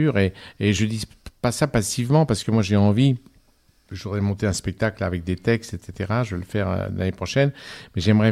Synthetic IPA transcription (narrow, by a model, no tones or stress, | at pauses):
yʁeːʒəd̪i | pasapasivmɑ̃paʁsə̥kəmwaʒeɑ̃vi | ʒuʁɛmɔ̃t̪eɛ̃spɛk̚t̪aklavɛk̚d̪et̪ɛkst̪et̪set̪eʁaʒəvələfɛʁø̰la̰nepχɔʃɛnmɛʒɛmʁɛ